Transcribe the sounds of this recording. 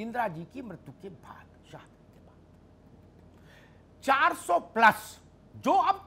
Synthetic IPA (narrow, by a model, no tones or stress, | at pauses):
ɪ̃nd̪ɾad͡ʒikimɾət̪ukebʱa̰ːt̪ | ʃaːhd̪kebaːd̪ | t͡ʃaːɾsɔːplɐs | d͡ʒoːɐp̚